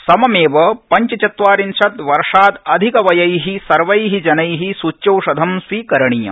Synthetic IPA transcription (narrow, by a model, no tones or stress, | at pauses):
sɐmɐmeːʋɐpɐɲt͡ʃɐt͡ʃɐt̪ʋaːɾinʃɐt̪ʋɐɾʂaːt̪ɐd̪ʱikɐʋɐjɐjɦisɐɾʋɐjɦid͡ʒɐnɐjɦisuːt͡ʃːjɐwʂɐd̪ʱɐmsʋiːkɐɾɐɳijɐ̰